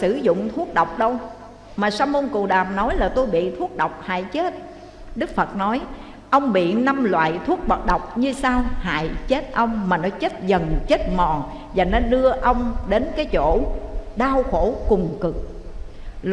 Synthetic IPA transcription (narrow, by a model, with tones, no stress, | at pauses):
sɨ˧˩zʊ̰˧˨ŋ͡mt̪ʰu˦˥ək̚ɗə˨˩wk͡p̚ɗə˧w | maː˨˩saː˧mo˧nku˨˩ɗaː˨˩p̚nɔ˨˦jlaː˨˩t̪o˧jɓḭ˧˨t̪ʰu˦˥ək̚ɗə˨˩wk͡p̚ha̰ː˧˨jt͡ɕe˦˥t̚ | ɗɨ˦˥k̚fə˨˩t̚nɔ˨˦j | ʔə˧wŋ͡mɓḭ˧˨na˧mlwa̰ː˧˨jt̪ʰu˦˥ək̚ɓə˨˩t̚ɗə˨˩wk͡p̚ɲɨ˧saː˧wha̰ː˧˨jt͡ɕe˦˥t̚ʔə˧wŋ͡mmaː˨˩nɔ˨˦t͡ɕe˦˥t̚zə˨˩nt͡ɕe˦˥t̚mɔ˨˩ŋ | zaː˨˩nɔ˨˦ɗɨ˧əʔə˧wŋ͡mɗe˨˦nkaː˨˦jt͡ɕo̰˧˩˨ɗaː˧wxo˧˩kʊ˨˩ŋ͡mkɨ˨˩k̚